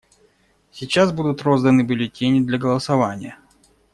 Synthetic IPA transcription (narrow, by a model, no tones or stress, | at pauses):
sʲɪt͡ɕːasbud̪ʊt̪ɾo̞zd̪ənɨbʲʊlʲɪtʲenʲɪd̪lʲɐɡəlˠəsɐvanʲɪjə